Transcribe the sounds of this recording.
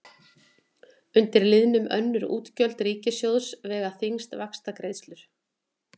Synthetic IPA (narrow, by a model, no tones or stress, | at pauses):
ʏnt̪ɪɾlɪðnʏmʔœ̰nːʏɾṵːt̪cœl̥t̪riːcɪsjowðsvɛːɣaθɪŋst̪vakst̪akɾejðst̪lʏɾ̥